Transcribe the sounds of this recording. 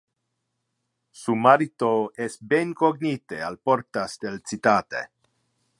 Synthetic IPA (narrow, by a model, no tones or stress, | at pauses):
sumaɾit̪oest̪benkoɡnit̪ea̰lpoɾt̪asd̪elt͡sit̪aːt̪ḛ